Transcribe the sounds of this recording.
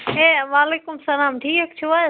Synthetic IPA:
ɦeːʋaːleːkʊmsɐlaːmʈʰiːkt͡ʃʰoaː

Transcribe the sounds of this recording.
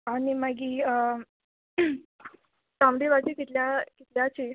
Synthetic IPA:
añimaɡiː | sãmɾiʋat̪ikit̪ljakit̪ljat͡ɕe

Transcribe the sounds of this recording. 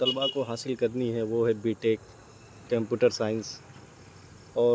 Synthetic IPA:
t̪ɐlbakoɦaːsɪlkɐɾniɦɛʋoɦɛbiːʈeːkː | ɐ̃mpjuːʈəɾsaːɪ̃ns | ɔː

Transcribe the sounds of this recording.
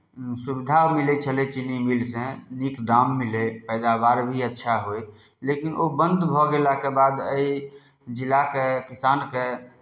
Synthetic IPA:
subid̪ʱamilɛt͡ʃʰəlet͡ʃʰinimilsẽnikd̪amːilepəjd̪abaɾbʱiətːʃʰaɦoj | lekinʔobənd̪bʱɔɡelakebad̪əi | d͡ʒilakekisanke

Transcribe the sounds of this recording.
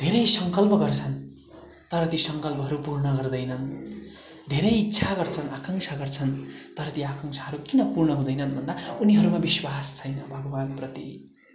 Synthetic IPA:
d̪ʱeɾʌjsʌŋkʌlpʌɡʌrt͡sʰʌn | t̪ʌɾʌt̪isʌŋkʌlpʌɦʌɾupurnʌɡʌrd̪ʌjnʌn | d̪ʱeɾʌjitːsʰaɡʌrt͡sʰʌnakaŋsʰaɡʌrt͡sʰʌnt̪ʌɾʌt̪iakʌŋsʰaɦʌɾukinʌpurɳʌɦũd̪ʌjnʌnbʱʌnd̪auniɦʌɾumabiswast͡sʰʌjnʌbʱʌɡʌbanprʌt̪i

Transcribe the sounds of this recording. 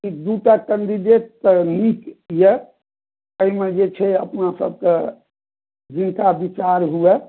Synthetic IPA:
kid̪uʈakəɳɖ̪id̪et̪ːnikjɛ | əimed͡ʒet͡ʃʰɛə̰pnasə̰b̚ke | d͡ʒint̪abit͡ʃaɾɦuɛ

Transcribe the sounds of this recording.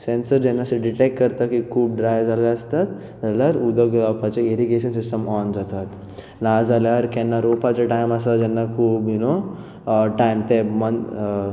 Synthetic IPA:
sɛ̃nsəɾd͡ʑɛnːaseɖiʈek̚ʈ̚kəɾt̪akikʰuːp̚ɖɾajd͡zalaəst̪at̪ | d͡zaljaɾud̪əɡlapat͡ɕeeɾiɡeɕənsisʈəmɔnd͡zat̪at̪ | nad͡zaljaɾkɛnːaɾopat͡ɕaʈajmasad͡ʑɛnːakʰuːbino | ʈajmt̪emən

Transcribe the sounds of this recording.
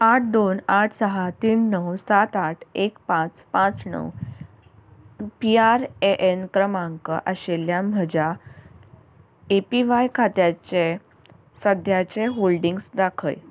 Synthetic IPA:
aʈ̚ʰd̪onaʈʰsəɦat̪iːnːəwsat̪aʈʰekpãt͡spãt͡snə̰w | piaɾeʔenkɾəmaŋkə̰ʔəɕeljam̤əd͡ʑa | epiʋajkʰat̪jat͡ɕe | səd̪ʱjat͡ɕeɦolɖiŋɡsd̪akʰə̰j

